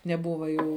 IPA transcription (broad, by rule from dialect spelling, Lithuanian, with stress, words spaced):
nʲɛˈbʊʋɐ ˈjuː